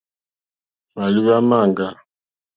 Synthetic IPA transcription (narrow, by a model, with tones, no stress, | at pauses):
ma˨li˦βa˦ma˦˨ŋɡa˨